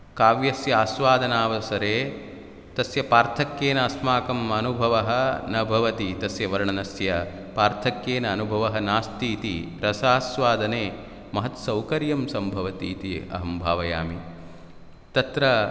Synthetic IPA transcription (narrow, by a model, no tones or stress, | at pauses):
kaːʋjɐsjɐaːsʋaːd̪ʱɐnaːʋɐsɐɾeː | t̪ɐsjɐpaːɾt̪ʰɐkjeːnɐːsmaːkɐmɐnubʱɐʋɐɦɐnɐbʱɐʋɐt̪it̪ɐsjɐʋɐɾɳɐnɐsjɐ | paːɾt̪ʰɐkjeːnɐːnubʱɐʋɐɦɐnaːst̪iːt̪iɾɐsaːsʋaːd̪ʱɐneː | mɐɦɐt̪sɐwkɐɾjɐmsɐmbʱɐʋɐt̪iːt̪iɐ̰ɦɐmbʱaːʋɐja̰ːmi | t̪ɐt̪ɾɐ